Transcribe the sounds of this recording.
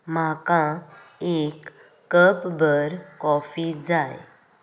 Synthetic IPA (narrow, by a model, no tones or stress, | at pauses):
makãekː | əpbʱəɾkɔfid͡zaj